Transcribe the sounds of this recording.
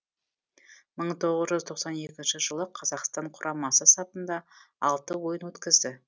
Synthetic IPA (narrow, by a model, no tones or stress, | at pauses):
məɴt̪ʰo̞ʁəzʒʏzt̪ʰo̞qsɑne̞kʲɪnʃɪʒəlˠəqʰɑzɑqst̪ɑɴqʰʊɾʔɑmɑsəsɑpənd̪ɑ | ɑlˠt̪əwo̞jənwɵt̪kʲɪzd̪ɪ